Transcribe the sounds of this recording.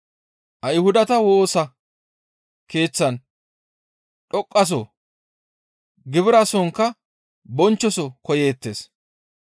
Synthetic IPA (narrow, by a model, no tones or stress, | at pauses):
ʔɐjhʊd̪ɐt̪ɐwo̞ːsɐ | ke̞ːt͡sːɐn | ɗɔkʼːɐs̬ɔ | ɡɪβɪɾɐsɔŋkːɐ | bɔnt͡ʃːɔsɔkɔjeːt̪ːeːs